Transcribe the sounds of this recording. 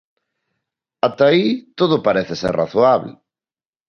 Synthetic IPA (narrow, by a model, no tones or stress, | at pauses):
at̪ait̪oðʊpaɾeθɪsera̰θoaβlɪ̰